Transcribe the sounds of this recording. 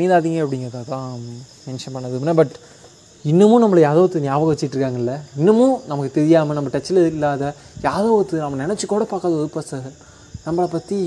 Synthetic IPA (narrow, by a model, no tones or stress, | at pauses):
niðaːðiŋɡɐɐpːɐɽɪŋɡɐɾɐt̪ãːt̪ãːmɛnʂɐnpɐnɳːɐðɯmnːabɐʈ | ɪnːɯmõːnɐmːɐɭɐjaːðoːɣɐt̪ːɯnjaːʋɐɣɐʋɛt͡ʃːɪʈːɾɯkːaːŋɡɐɪlːɐɪnːɯmõːnɐmɐkːɯt̪ɛɾɪjaːmɐnɐmːɐʈɐt͡ʃːɪlɐɪlːaːðɐjaːðoːɣɐt̪ːɯnɐmːɐnɪnɛt͡ʃːɯkːoːɽɐpaːɾkaːðɐɔðɯpaːsaːɾ | nɐmːɐɭɐpɐt̪ːi